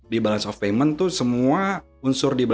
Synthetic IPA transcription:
dibalasɔfemənt̪ʊsəmua | unsʊrdiba

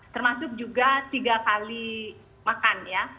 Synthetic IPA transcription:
t̪ərmasʊk̚d͡ʒuɡat̪iɡakali | makanja

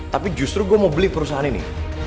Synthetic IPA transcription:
t̪apid͡ʒust̪ɾuɡuɛmobəlihpəɾus̬aɦaninḭ

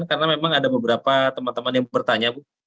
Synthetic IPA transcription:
nkaɾənamemaŋadabəbəɾapat̪əmant̪əmanjaŋbərt̪aɲabʊ

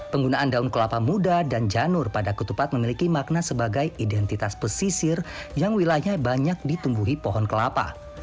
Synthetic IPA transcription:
pəŋɡunaʔandaunkəlapamudadand͡ʒanʊrpadakut̪upat̪̚məmilikimak̚nasəbaɡajidɛnt̪it̪aspəsisɪrjaŋwilajɲabaɲak̚dit̪umbuɦipɔɦɔnkəlapa̰

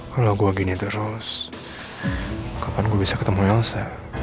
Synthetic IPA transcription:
kalawɡuaɡinit̪əɾʊs | kapanɡuabisakət̪əmuɛlsa

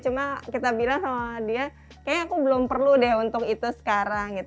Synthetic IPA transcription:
t͡ʃumakit̪abilaŋodia | kajaakubəlʊmpərludɛɦunt̪ʊkit̪usə̥kaɾaŋɡit̪

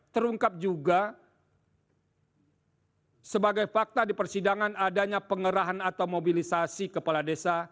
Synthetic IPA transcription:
t̪əɾuŋkap̚d͡ʒuɡa | səbaɡajfak̚t̪adipərsidaŋanadaɲapəŋəɾaɦanat̪awmobilisasikəpaladesa

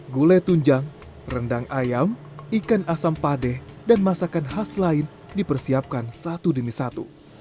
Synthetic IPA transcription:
ɡulɛt̪uɲd͡ʒaŋ | rəndaŋʔajam | ikanasampadɛhdanmasakanɦaslaɪn | dipərsiap̚kansat̪udəmisat̪ṵ

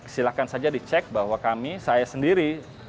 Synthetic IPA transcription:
kə̥silakansad͡ʒadit͡ʃɛk̚bahwakamisajasəndiɾi

